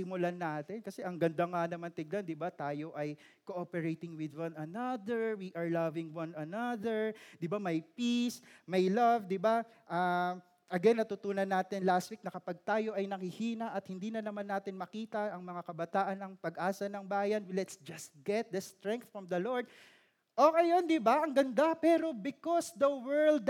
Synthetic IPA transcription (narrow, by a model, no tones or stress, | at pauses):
ɪmʊlanaːt̪ɪnkɐsɛʔɐŋɡɐnd̪aŋanɐmant̪ɪɡ̚land̪ɪbat̪aːjoʔɐj | koʔopɛɹejt̪ɪŋwɪd̪wɐ̃nɐnɐd̪ɛɹwiʔɐɹlɐvɪŋwɐnɐnɐðɛɹd̪ɪbamɐjpismɐjlɐvd̪ɪba | ʔa | ʔɐɡɛnːɐt̪ʊt̪uːnɐnːaːt̪ɪnlast̪̚wik̚nɐkɐpɐɡ̚t̪aːjo̞ʔɐjnɐhɪhiːnɐʔɐt̪hɪnd̪iːnɐnɐmanːaːt̪ɪnmɐkiːt̪ɐʔɐŋmɐŋakɐbɐt̪aːʔɐnɐŋpɐɡʔaːsɐnɐŋbaːjɐnlɛt̪sd͡ʒɐst̪̚ɡ̥ɛt̪̚d̪ɐst̪ɹɛ̃ŋk̚θfɹɔmd̪ɐloɹd̪̚ | ʔoŋɐjo̞nd̪ɪbaʔɐŋɡɐnd̪apɛːɾo̞bɪkosd̪ɐwɛɹld̪̚